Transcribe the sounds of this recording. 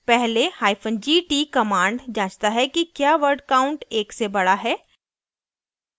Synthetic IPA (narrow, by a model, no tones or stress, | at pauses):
pɛɦlehaːɪfʰə̃nd͡ʒiːʈiːkɐmãːɳɖd͡ʒãːt͡ʃt̪aɦɛkikjaːʋəɾɖkaːʊ̃ɳʈeːksebɐɽaɦɛː